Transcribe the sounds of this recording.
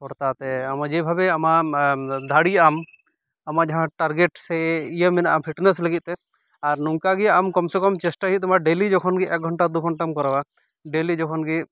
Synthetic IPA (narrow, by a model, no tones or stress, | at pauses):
kɔɾt̪at̪ɛamad͡ʒebʱabɛama | d̪ʱaɽiam | amad͡ʒaɦãʈaɾɡeʈsɛijəmɛnaʔapʰiʈnesləɡit̪̚t̪ɛ | aɾnuŋkaɡiamkɔmsɔkɔmt͡ʃɛsʈaɦit̪t̪ɔmaɖelid͡ʒɔkʰɔnɡiʔɛk̚ɡʱɔɳʈad̪uɡʱɔɳʈamkɔɾawa | ɖelid͡ʒɔkʰɔnɡi